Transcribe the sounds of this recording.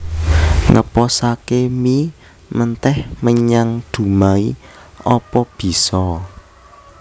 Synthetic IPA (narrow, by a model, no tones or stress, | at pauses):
ŋə̰pɔsakemi | mənt̪ɛhməɲaŋd̪̥ṳmai | ɔpɔb̥i̤sɔ